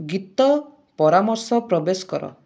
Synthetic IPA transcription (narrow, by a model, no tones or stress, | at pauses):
ɡit̪ɔ | pɔɾamɔɾsɔpɾɔbesɔ̥kɔɾɔ̰